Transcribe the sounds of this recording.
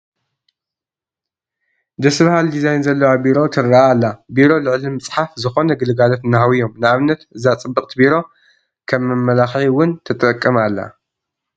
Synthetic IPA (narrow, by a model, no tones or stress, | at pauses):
d̪ɐsβahald̪izajnzɐlːɐwabiɾo̞t̪ʰɨɾːaalːabiɾo̞lɨʕlimɨt͡sʼħafzɨxo̞nɐɡɨlɨɡalot̪nɐɦawijo̞mnɨaβnːɐt̪ɨzat͡sʼɨbːɨkʼt̪ʰbiɾo̞ | kʰɐmːɨmːɐlaxħiwʊnt̪ʰɨt̪ʼɐkʼːɨmalːa̰